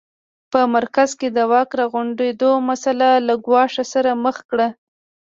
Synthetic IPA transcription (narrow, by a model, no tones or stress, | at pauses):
pəmaɾkazked̪əwɑkɾɑɣʊɳɖed̪omasalalaɡwɑʂasaɾaməxkɽa